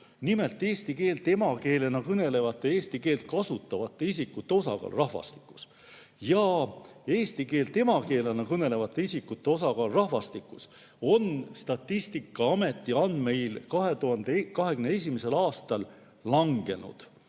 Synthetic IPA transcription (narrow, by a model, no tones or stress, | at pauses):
nime̞lt̪ːˑe̞ːst̪ike̞ːlt̪emɑke̞ːle̞nɑkɤne̞le̞vɑt̪ːˑe̞eːst̪ike̞ːlt̪̚kɑsut̪ːˑɑvɑt̪ˑːe̞isikːut̪ːe̞o̞sɑ̰kɑ̰ːlrɑhvɑ̰st̪i̥kːu̥s | jɑ | e̞ːst̪ike̞ːlt̪e̞mɑke̞ːlenɑkɤne̞le̞vɑt̪ːˑe̞isikːut̪ːe̞o̞sɑɡɑːlrɑhvɑst̪ikːˑus | o̞nst̪ɑt̪ːist̪ikˑːɑɑme̞t̪ːˑiɑnd̪me̞jlkɑɦe̞t̪uɦɑnd̪̥ekɑɦe̞ɡymnees̬ʲimese̞lɑːst̪ɑlː | ɑŋɡ̥e̞nṵd̪̥